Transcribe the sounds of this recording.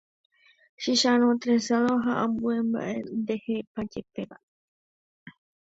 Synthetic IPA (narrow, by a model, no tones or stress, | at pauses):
ʃiʃaɾ̃õt̪ɾesaloɦaʔãmbue̞mba̰ʔe̞nd̪ehepad͡ʒepeʋaʔe